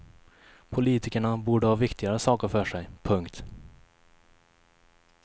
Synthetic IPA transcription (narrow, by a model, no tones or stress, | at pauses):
pʰʊliːt̪ɪkəɳabuːɖəhɑːvɪkt̪ɪɡaɾəsɑːkəɾfœʂɛjpʰɵŋkt̪